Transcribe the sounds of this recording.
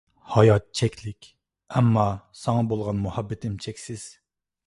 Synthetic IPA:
hɑjɑt̪̚t͡ʃʰɛkʲlɪkʲ | ɛmːɑsɑŋɑbolˠʁɑnmuhɑbːɪt̪ʰɪmt͡ʃʰɛkʲsɪz̥

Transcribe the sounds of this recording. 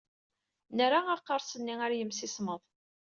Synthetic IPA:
nəɾaɑqːɑɾˤsənːiaɾjəmsisməðˤ

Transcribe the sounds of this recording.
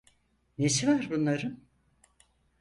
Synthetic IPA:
nesivaɾbunlˠaɾɯm

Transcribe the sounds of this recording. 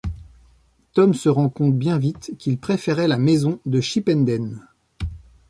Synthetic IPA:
t̪ɔmsəʁɑ̃kɔ̃t̪bjɛ̃vit̪kʲilpχefɛʁɛlamezɔ̃d̪əʃipɛnd̪ɛn

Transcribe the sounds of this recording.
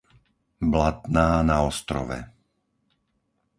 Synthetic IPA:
blat̪naːnaɔst̪ɾɔ̰ʋɛ̰

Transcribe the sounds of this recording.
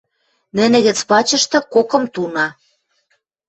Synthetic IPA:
nɘ̆nɘ̆ɣɘ̆t͡spɑt͡ɕɤ̆ʃt̪ɤ̆kokɤ̆mt̪unɑ

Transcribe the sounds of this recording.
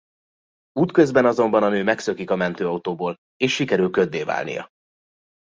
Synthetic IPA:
uːt̪kø̞zbɛnɒzo̞mbɒnɒnøːmɛksø̞kikɒmɛnt̪øːɒut̪oːboːl | eːʃːikɛɾylkø̞d̪ːeːva̰ːlnḭjɒ̰

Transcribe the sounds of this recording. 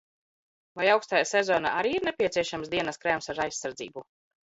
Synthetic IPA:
vajawkst̪ajasɛzɔːna̰ʔaɾiːiɾnɛpʲiɛt̪siɛʃamsd̪iɛnaskɾɛmsaɾajsːaɾd̪zḭːbu

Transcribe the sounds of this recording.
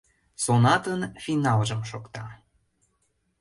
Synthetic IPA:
sonɑt̪ənfinɑlʒə̆mʃokt̪ɑ

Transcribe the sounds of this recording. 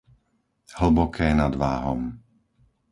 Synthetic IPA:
hl̩bɔkʰɛːjɛnad̪ʋaːɦɔm

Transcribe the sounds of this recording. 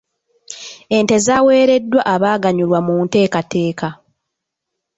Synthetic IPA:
e̞nte̞zaːwe̞ːɾe̞dːwaʔaβaːɡaɲulwamuːnte̞ːkate̞ːka

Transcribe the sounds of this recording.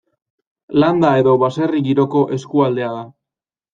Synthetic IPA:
land̪ae̞ðo̞βaseriɣiɾo̞ko̞ʔe̞skuald̪e̞aða

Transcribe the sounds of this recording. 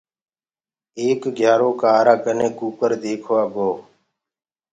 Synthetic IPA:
eːkɡʱjaːɾoːkaːɾaːkənẽːkuːpəɾd̪eːkʰʋaːɡoː

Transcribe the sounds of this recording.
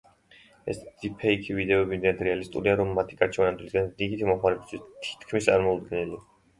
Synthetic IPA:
ɛ̰sd̪z̥ipʰɛikʰivid̪ɛɔbimd̪ɛnad̪ɾɛalist̪ʼṵɾiaɾɔmːat̪ʰi̥kʼaɾt͡ʃʰɛanad̪wlisɡand̪iɡit̪ʰimɔχmaɾɛbist̪ʰwist̪ʰi̥t̪ʰkʰmist̪sʼaɾmɔud̪̚ɡɛnili

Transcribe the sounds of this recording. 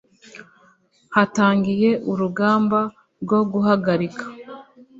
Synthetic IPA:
hataːŋɡije̞ʔuɾuɡaːmba | ɾɡo̞ɡuɦaɡaɾikḁ

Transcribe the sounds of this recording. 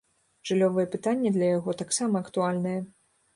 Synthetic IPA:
ʐ̥ɨlʲɔvɨjɛpɨt̪anʲːɐd̪lʲɐjaɣɔt̪aksamɐɐkt̪ualʲnɨjɛ

